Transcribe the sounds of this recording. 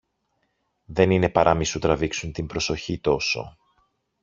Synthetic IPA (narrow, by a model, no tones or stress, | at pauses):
ðe̞nine̞pɐɾʔɐmisut̪ɾɐviksunt̪imbɾo̞so̞çit̪o̞so̞̰